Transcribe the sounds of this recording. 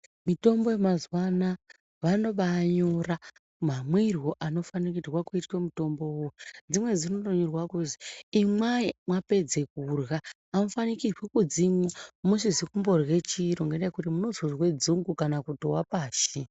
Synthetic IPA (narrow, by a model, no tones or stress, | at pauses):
mito̞mbo̞jemazwana | ʋano̞ɓaɲo̞ra | mamwirwoʔano̞fanik̬idwakuitwemuto̞mbo̞wod͡zimwe̞d͡zino̞toɲurwakuziimwaimwape̞d͡ze̞k̚uːrɣaː | mofanikirwekud͡zimwamuʃizikumbo̞rwe̞t͡ʃiɾoŋɡendajekutimuno̞zoʐwe̞d͡zuŋɡukanakutowapaːʃi